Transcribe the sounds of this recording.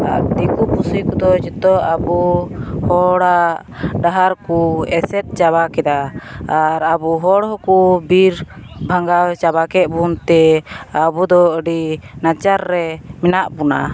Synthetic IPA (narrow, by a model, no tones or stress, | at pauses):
a̰d̪ikupusikud̪ɔd͡ʒət̪ɔabuhɔɽa | ɖaɦaɾkuɛsɛt̪̚ˀt͡ʃaβakɛd̪aaɾabuɦɔɽɦɔkubiɾbʱaŋɡat͡ʃabakɛt̪̚bunt̪ɛabud̪ɔəɖinat͡ʃaɾːɛminaʔbuna̰